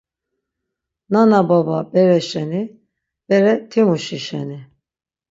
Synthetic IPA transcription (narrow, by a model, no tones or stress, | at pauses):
nanabababɛɾɛʃɛni | b̥ɛɾɛt̪ʰimuʃiʃɛ̰ni